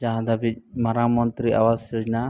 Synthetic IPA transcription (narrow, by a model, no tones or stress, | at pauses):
d͡ʒaɦãd̪abimaɾamɔnt̪ɾia̰wasjod͡ʒna